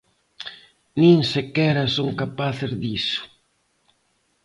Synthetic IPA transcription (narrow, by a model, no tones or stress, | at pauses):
nĩŋsekɛɾɐsoŋkapaθezðisʊ̥